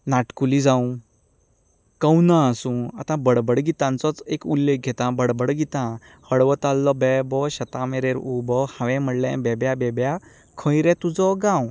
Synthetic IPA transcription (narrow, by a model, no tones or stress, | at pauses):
naʈkulid͡zaũ | kə̃wnãːsũa̰t̪ãbəɽbəɽɡit̪ãnt͡sɔt͡sekulːek̚ɡʱet̪ãbəɽbəɽɡit̪ã | həɽʋət̪alːɔbɛbɔɕət̪ãmeɾeɾubɔhãʋɛ̃məɽlḛ̃bɛbjabɛbja | kʰə̃jɾɛt̪ud͡zɔɡãw